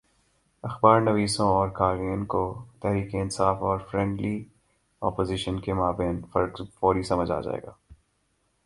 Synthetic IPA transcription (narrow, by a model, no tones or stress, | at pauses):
ɐxbaːɾnɐʋiːsõɔːɾkaːɾinkot̪ɛɦɾiːkeɪnsaːfɔːɾfɾɛ̃ːɳɖli | ɔːpoːziʃənkemaːbẽːnfɐɾɡfɔːɾisɐməd͡ʒa̰ːd͡ʒa̰ːḛːɡaː